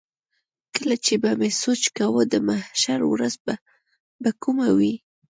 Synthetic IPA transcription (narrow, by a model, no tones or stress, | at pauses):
kəlat͡ʃebamesot͡ʃkawəd̪əmahʃaɾwɾazba | bakumawi